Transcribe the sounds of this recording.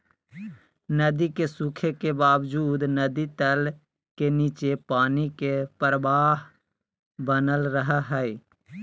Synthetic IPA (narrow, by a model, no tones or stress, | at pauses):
nəd̪ikesukʰekebaːwd͡ʒuːd̪nəd̪it̪əl | keniːt͡ʃepaːnikepəɾʋaːɦ | bənəlɾəɦaɦɛi